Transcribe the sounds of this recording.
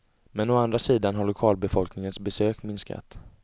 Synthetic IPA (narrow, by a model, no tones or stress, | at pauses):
mɛnɔand̪ɾasiːd̪anɦaɭʊkʰɑːlbɛfɔlknɪŋənsbɛsøːkmɪnska̰t̪